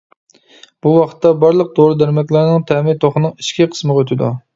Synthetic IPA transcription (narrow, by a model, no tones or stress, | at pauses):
b̥uwɑχʰə̥t̪ːɑbɑɾlˠəq̚d̪oɾɨd̪æɾmɛkʲlˠæɾnɨŋt̪ʰɛmɪt̪ʰoχənɨŋiʃkʲiqʰə̥sməʁøt̪ʰɪd̪u